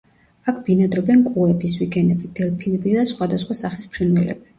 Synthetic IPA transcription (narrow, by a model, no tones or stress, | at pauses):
akʰbinad̪ɾɔbɛnkʼuɛbiswiɡɛnɛbid̪̥ɛlpʰinɛbid̪asχwad̪asχwasaχismʃinwɛlɛ̰bi